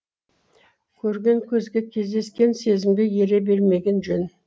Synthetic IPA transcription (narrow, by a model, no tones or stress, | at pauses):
kʲʰɵɾɡʲe̞ŋkʲʰɵzɡʲekʲʰe̞zd̪e̞skʲe̞nse̞zɪmɡʲe̞je̞ɾebe̞ɾme̞ɡʲe̞nʒɵn